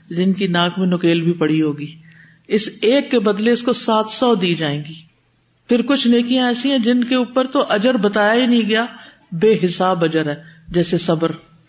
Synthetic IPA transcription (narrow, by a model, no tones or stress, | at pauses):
d͡ʒɪnkinaːkmẽnʊkeːlbʱipɐɽiɦoːɡiː | ɪseːkːebɐd̪leɪskosaːt̪ʰsɔːd̪iːd͡ʒaːẽːɡiː | pʰɪɾkʊt͡ʃʰneːkijãɛːsiɛ̃d͡ʒɪnkeuːpəɾt̪oʔɐd͡ʒəɾbɐt̪aːjaɦinɐĩɡɐjaː | beːɦɪsaːbɐd͡ʒəɾɦɛːd͡ʒɛːsesɐbəɾ